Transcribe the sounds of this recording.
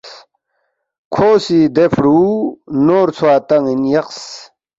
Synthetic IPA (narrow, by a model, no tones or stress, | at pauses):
kʰoːsid̪efʰɽuːnoːɾt͡sʰwaːt̪ɐŋinjɐqs